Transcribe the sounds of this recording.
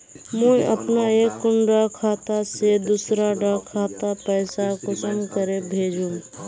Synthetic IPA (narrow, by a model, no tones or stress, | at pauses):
mə̃ə̰pnaeːkːʊɳɖakʰaːt̪ased̪usɾaɖakʰaːt̪apəɪsakʊsəmkəɾebʱeːd͡ʒũ